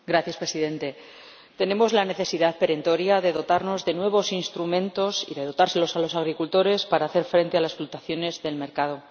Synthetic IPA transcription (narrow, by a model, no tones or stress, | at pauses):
ɡɾaθjaspɾe̞siðe̞nt̪e̞ | t̪e̞ne̞mo̞zlane̞θe̞siðaðpe̞ɾe̞nt̪o̞ɾjaðe̞ðo̞t̪aɾno̞zðe̞nwe̞β̞o̞sinst̪ɾumẽ̞nt̪o̞sḭðe̞ð̞o̞t̪aɾse̞lo̞salo̞saɣ̞ɾikult̪o̞ɾe̞spaɾaːθe̞ɾfɾe̞nt̪e̞alasflut̪aθjo̞ne̞zðe̞lme̞ɾkað̞o̞